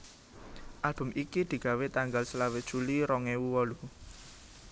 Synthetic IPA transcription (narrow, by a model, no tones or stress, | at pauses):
ʔalb̥ʊ̤mʔikid̪̥i̤ɡ̥a̤wet̪aŋɡalsəlawɪd̥ʒ̥uliɾɔŋewuwɔlu